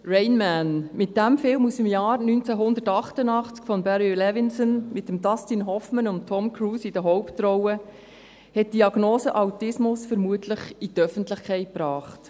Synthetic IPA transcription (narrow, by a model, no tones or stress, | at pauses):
ɹɛɪnmænmɪt̚d̥æmfɪlmusəmjɑːɾnyːnt͡sæɦʊnd̪ətɑχtənɑχt͡skfɔnbɛɾilɛvɪnsənmɪtːəmdɑstinɦɔfmənʊnttʰɔmkʰɾuːsid̥əɦɔwptɾɔwə | hɛt̚d̥iɑɡnoːsəʔɑwtɪsmʊsfəɾmuətʰləχitœfəntlɪχkʰɛɪt̚pɾɑːχt